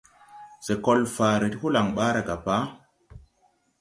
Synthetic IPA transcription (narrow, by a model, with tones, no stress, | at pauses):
se˨ko˦lfaː˨ɾe˨ti˦hu˦la˨ŋɓaː˦ɾa˨ɡa˨pa˦